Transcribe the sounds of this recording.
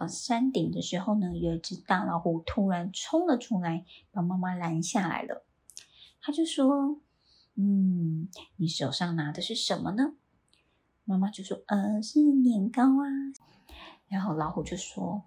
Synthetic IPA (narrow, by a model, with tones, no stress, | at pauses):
sa˥nt̪i˨˩ŋd̪ə˦ʂɻ̩˧˥xo˥˩ʊnə˩jɛ˧˩˥ʈ͡ʂɻ̩˨˥t̪ɑ˥˩lɑ˧˥ʊxu˨˩t̪ʰu˥ɻa˧˥nʈ͡ʂʰʊ˥ŋlə˨ʈ͡ʂʰu˥la˧˥ɪpɑ˨˩ma˥˧ma˧la˧˥nɕja˥˩la̰˧˥ɪlə̰˧ | t̪ʰa˥t͡ɕjo˥˩ʊʂwɔ˥ | n̩˥˩ | ni˨˥ʂo˨˩ʊʂɑ˥˩ŋna˧˥d̪ə˧ʂɻ̩˥˩ʂə˧˥nmə˧nə˩ | ma˥˧ma˧t͡ɕjo˥˩ʊʂwɔ˥ʔə˧˩ʂɻ̩˥˩njɛ˨˩nkɑ˥ʊa˧ | ɻa˧˥nxo˥˩ʊlɑ˧˥ʊxu˨˩t͡ɕjo˥˩ʊʂwɔ˥